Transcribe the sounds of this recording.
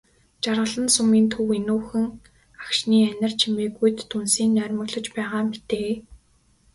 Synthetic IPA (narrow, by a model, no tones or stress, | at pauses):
t͡ɕarʁə̆ɮə̆nsumiːnt̪ʰuwenuːxɘ̆ŋ | akʃniːænʲɪ̆r̥t͡ɕʰimeːɣujt̪ʰːunsiːnːœːɾʲmə̆ɣɮɞ̆t͡ɕpæːʁaːmit̪eː